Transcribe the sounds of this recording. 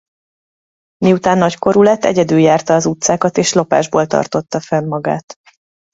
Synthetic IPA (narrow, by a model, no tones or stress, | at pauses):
miut̪aːnːɒcko̞ɾulɛt̪ːɛ̰ɟɛd̪yljaːrt̪ɒːzut̪saːkɒt̪eːʃlo̞pa̰ːʒboːlt̪ɒ̰rt̪o̞t̪ːɒfɛmmɒɡa̰ːt̪